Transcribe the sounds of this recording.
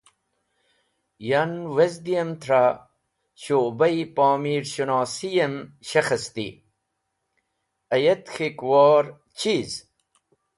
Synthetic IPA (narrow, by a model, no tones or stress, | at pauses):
janwezd̪ijɐnt̪ʰɾa | ɕobɐipaːmiːɾɕunaːsijɐnɕɐxɐst̪ḭ | ɐjet̪xikwɑːɾ | t͡ɕʰiz